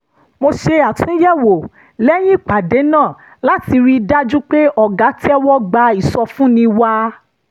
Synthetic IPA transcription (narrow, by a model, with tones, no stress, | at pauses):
mo˧ʃe˧a˨tũ˨˦jɛ˦˨wo˨ | lɛ˦j̃ĩ˦i˦˨k͡pa˨de˨˦nãː˦˨ | la˨˦ti˧ɾi˧da˦d͡ʒu˦k͡pe˦ɔ˦˨ɡa˨˦ti˦ɛ˦wɔ˦ɡ͡ba˧i˨sɔ˧fũ˦nĩ˧wa˧